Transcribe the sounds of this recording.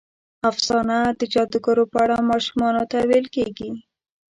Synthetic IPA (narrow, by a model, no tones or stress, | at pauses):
afz̥ɑnad̪əd͡ʒɑd̪əɡaɾopəaɽamɑʃumɑnot̪awelkeɡi